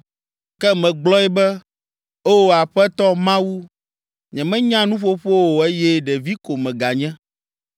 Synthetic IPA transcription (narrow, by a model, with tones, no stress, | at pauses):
kɛ˦mɛ̃˨ɡ͡blɔ˦ɛ˦bɛ˦ | o˦wo˨a˨ɸɛ˦t̪ɔ˦mã˦wu˦ | ɲɛ̃˨mɛ̃˦ɲã˦nũ˦ɸo˦ɸo˦wo˨e˦jɛ˦ɖɛ˨vi˦ko˨mɛ̃˨ɡa˨ɲɛ̃˦